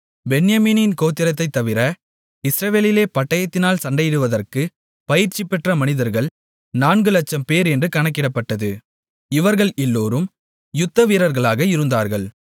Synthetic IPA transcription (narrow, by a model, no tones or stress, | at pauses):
bɛnjɐmiːnɪnkoːt̪ːɪɾɐt̪ːɐɪt̪ːɐʋɪɾɐ | ɪsɾɐʋeːlɪleːpɐʈːɐjɐt̪ːɪnaːlsɐɳɖɐjɪɽɯʋɐðɐrkɯ | pɐjɪɾt͡ʃːɪpːɛʈrɐmɐnɪðɐɾɣɐɭ | naːnɡɯlɐt͡ʃːɐmpeːɾɛndrɯkɐɳɐkːɪɽɐpːɐʈːɐðɯ | ɪʋɐɾɣɐɭɛlːoːɾɯm | jʊt̪ːɐʋiːɾɐɾɣɐɭaːɣɐɪɾɯnd̪aːɾɣɐɭ